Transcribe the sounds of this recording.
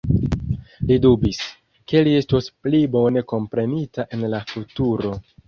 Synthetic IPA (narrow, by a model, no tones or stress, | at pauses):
lidubis | ke̞lie̞stosplibo̞ne̞ko̞mpɾe̞nitaʔe̞nlafutuɾo̞